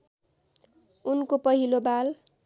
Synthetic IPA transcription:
unkopʌɦilobal

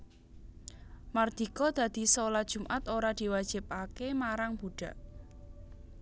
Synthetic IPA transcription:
mard̪̥i̤kɔd̪̥ä̤d̪̥i̤soladʒ̥ṳmʔat̪oɾad̪̥i̤wad̥ʒ̥ɪ̤p̚akemaɾaŋb̥uɖ̥a̤ʔ

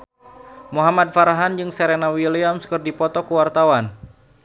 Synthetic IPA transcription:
muɦamad̪̚faɾaɦand͡ʒɨŋsɛɾenawiliamskɨrdipɔt̪ɔkuwart̪awan

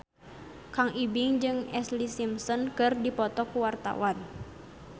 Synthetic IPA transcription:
kaŋibiŋd͡ʒɨŋɛslisimsɔnkɨrdipɔt̪ɔkuwart̪a̰wan

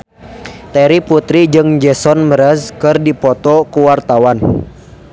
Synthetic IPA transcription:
t̪ɛɾiput̪ɾid͡ʒɨŋd͡ʒɛsɔnməɾəskɨrdipɔt̪ɔkuwart̪awan

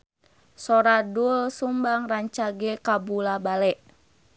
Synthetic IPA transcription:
sɔɾadulsumbaŋraɲt͡ʃaɡɛkabulabalɛʔ

